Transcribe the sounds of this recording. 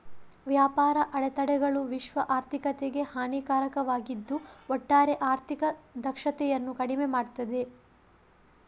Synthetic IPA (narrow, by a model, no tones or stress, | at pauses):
ʋjaːpaːɾɐʔɐɭɛt̪ɐɽɛɡɐɭuʋiʃʋɐʔaːɾt̪ʰikɐt̪eɡe̞haːniːkaːɾɐkɐʋaːɡid̪ːuɔʈːaːɾe̞ʔaːɾt̪ʰikɐd̪ɐkʂɐt̪ɛjɐnːukɐɽimemaːɽt̪ɐd̪e̞